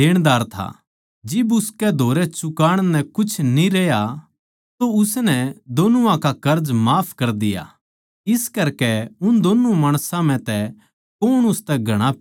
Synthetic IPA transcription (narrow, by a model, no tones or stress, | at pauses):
eːɽ̃d̪aːɾt̪ʰa̰ | d͡ʒɪbʊskɛd̪ʱoːɾɛt͡ʃʊkaːɽ̃nɛkʊt͡ʃʰnĩɾɛːja | t̪oʊsnɛd̪oːnuãkakɐɾd͡ʒmaːpʰkɐɾd̪ɪja̰ | ɪskɐɾkɛʊnd̪oːnumaːɽ̃sãm̤ɛ̃t̪ɛ | koːɽ̃ʊst̪ɛɡʱɐɽ̃a